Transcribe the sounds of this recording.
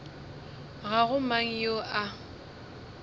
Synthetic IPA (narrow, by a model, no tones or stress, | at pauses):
ɣaɣʊmaŋ̩joʔa